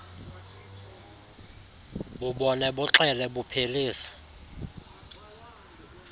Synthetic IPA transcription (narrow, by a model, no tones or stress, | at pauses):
ɓuɓɔnɛɓuǁɛlɛɓupʰeliːsḁ